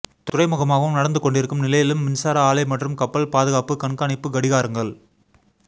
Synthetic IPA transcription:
t̪ʊrɐɪmɯɣɐmaːɣɐʋɯmnɐɽɐnd̪ɯkɔɳɖɪɾɯkːɯmnɪlɐjɪlɯmːɪnsaːɾɐaːlɐɪmɐʈrɯmkɐpːɐɭpaːðɯɣaːpɯkɐɳkaːɳɪpːɯɡɐɽɪɣaːɾɯŋɡɐɭ

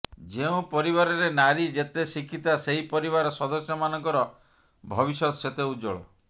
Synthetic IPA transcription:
d͡ʒeũpɔɾiβaɾɔɾenaɾid͡ʒet̪esikʰit̪aseɦipɔɾiβaɾɔsɔd̪ɔsjɔmanɔŋkɔɾɔ | bʱɔbisɔt̪ɔset̪eud͡ʒo̰ɭɔ

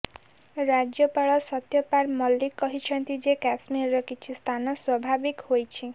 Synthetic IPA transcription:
ɾad͡ʒjɔpaɭɔsɔt̪jɔpaɾmɔlːikːɔɦit͡ʃʰɔnt̪id͡ʒekasmiɾːɔkit͡ʃʰist̪ʰanɔswɔbʱabikhojt͡ʃʰi

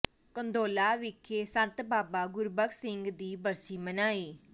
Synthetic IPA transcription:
kənd̪oːlaːʋɪkʰːeːsənt̪baːbaːɡʊɾbəkʰsɪŋɡd̪iːbəɾsiːmənaːiː

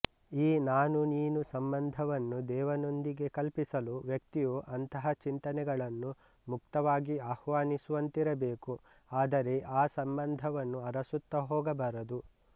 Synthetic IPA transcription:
iːnaːnuniːnusɐmbɐnd̪ʱɐʋɐnːud̪ɛːʋɐno̞nd̪iɡe̞kɐlpisɐluʋjɐkt̪ijoːʔɐnt̪ɐɦɐt͡ʃint̪ɐnɛɡɐɭɐnːu | mukt̪ɐʋaːɡiaːhʋaːnisuʋɐnt̪iɾɐbeːku | aːd̪ɐɾe̞ʔaːsɐmbɐnd̪ʱɐʋɐnːuɐɾɐsut̪ːɐɦɔːɡɐbɐɾɐd̪u

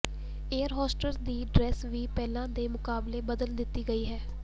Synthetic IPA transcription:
eːəɾɦɔːsʈəld̪iːɖɾɛːsʋiːpɛːlãːd̪eːmʊkaːbleːbəd̪əld̪ɪt̪ːiːɡəiːɦɛː

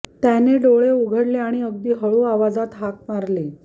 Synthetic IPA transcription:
t̪janeɖoɭeuɡʱəɽleaɽ̃iəɡd̪iːɦəɭuːaʋad͡zat̪ɦak̚maɾle

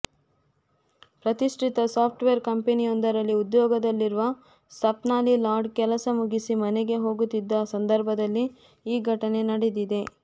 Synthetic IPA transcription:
pɾɐt̪iʂʈʰit̪ɐsaːpʰʈʋeɐɾkɐmpenijond̪ɐɾɐlːiud̪jɔːɡɐd̪ɐlːiɾuʋɐ | sɐpnaːlilaːɾɖkɛlɐsɐmuɡisimɐneɡe̞ɦo̞ːɡut̪ːid̪ːɐsɐnd̪ɐɾbʱɐd̪ɐlːi | iːɡʱɐʈɐne̞nɐɽed̪id̪e̞

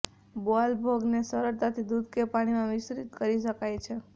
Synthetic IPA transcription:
boalbʱoɡnesəɾəɾt̪at̪ʰid̪ud̪ʱkepaɽ̃imãʋɪsɾit̪kəɾiʃəkajt͡ʃʰe

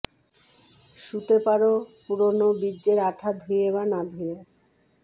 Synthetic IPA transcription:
ʃut̪epaɾopuɾonobidːeɾaʈʰad̪ʱujeβanad̪ʱuje

